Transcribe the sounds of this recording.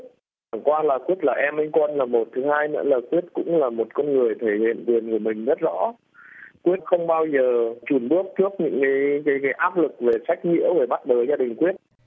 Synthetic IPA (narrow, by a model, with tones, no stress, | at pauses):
aː˨˩ŋkwaː˧laː˨˩kwi˦˥ət̚laː˨˩ʔɛ˧mʔjŋ̟kɔ˧nlaː˨˩mo˨˩t̚t̪ʰɨ˨˦haː˧jnɨ̰ː˧˥laː˨˩kwi˦˥ət̚kʊ̰˧˥ŋ͡mlaː˨˩mo˨˩t̚kɔ˧nŋɨ˨˩əjt̪ʰe˧˩hḭ˧˨nkwi˨˩ənku˧˩əmï˨˩ŋ̟zə˦˥t̚zɔ̰˧˥ | kwi˦˥ət̚xə˧wŋ͡mɓaː˧wzəː˨˩t͡ɕu˧˩nɓɨ˦˥ək̚t̪ʰɨ˦˥ək̚ɲɨ̰˧˥ŋkaː˨˦jkaː˨˦jkaː˨˦jʔaː˦˥p̚lɨ˨˩k̚ve˨˩sa˦˥jk̟̚ɲḭ˧˥əwveː˧˩ɓa˦˥t̚ɓəː˨˩zaː˧ɗï˨˩ŋ̟kwi˦˥ət̚